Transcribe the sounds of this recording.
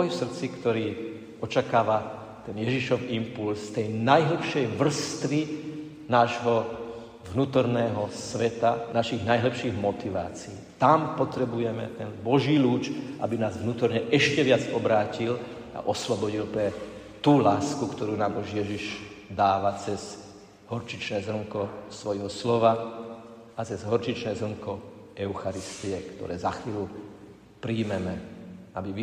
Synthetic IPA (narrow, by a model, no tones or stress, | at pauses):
ɔjsr̩t͡sikt̪ɔɾiː | ɔt͡ʃakaːʋa | t̪ɛnjɛʒiʃɔʋimpulsːt̪ɛjnajɦl̩pʃɛjʋr̩st̪ʋi | naːʒɦɔ | ʋnuːt̪ɔɾnɛːɦɔsʋɛt̪anaʃiɣnajɦlɛpʃiːɣmɔt̪iʋa̰ːt͡siiːt̪ampɔt̪ɾɛbujɛmɛ̰t̪ɛnbɔʒiːluːt͡ʃʔa̰binaːzʋnuːt̪ɔɾɲɛʔɛʃcɛʋɪad͡zɔbɾaːcil | a̰ʔɔslɔbɔɟilpɾɛ | t̪uːlaːskukt̪ɔɾuːnaːmɔʒjɛʒiʒ | d̪aːʋat͡sɛz | ɦɔɾt͡ʃit͡ʃnɛːzɾɔŋkɔsʋɔjɦɔslɔʋa | at͡sɛzɦɔɾt͡ʃit͡ʃnɛːzɾr̩ɔŋkɔɛʊxaɾist̪iɛkt̪ɔ̰ɾɛ̰ːzaxʋiːlu | pɾiːmɛmɛabiʋ